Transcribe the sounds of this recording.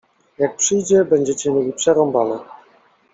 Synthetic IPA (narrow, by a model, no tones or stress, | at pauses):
jak̚pʂɘjd͡ʑɛbɛɲd͡ʑɛt͡ɕɛmʲjɛlʲipʂɛɾɔmbanɛ